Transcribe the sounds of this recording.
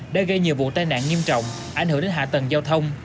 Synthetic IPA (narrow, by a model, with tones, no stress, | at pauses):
ɗə˧˦jɣə˧jɲi˨˩əwvṵ˧˨t̪aː˧jna̰ː˧˨ŋi˧əmt͡ɕɔ̰˧˨wŋ͡m | ʔa˨˩jŋ̟ɨ˧˩˦ŋɗe˨˧˦nɦa̰ː˧˨t̪ə˨˩ŋzaː˧wt̪ʰə˧wŋ͡m